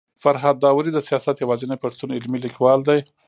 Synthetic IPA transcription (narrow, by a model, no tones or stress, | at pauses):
faɾɦɑd̪ːɑwɾid̪əsijɑsat̪jawɑzənəjpaʂt̪unɪlmilikwɑld̪aj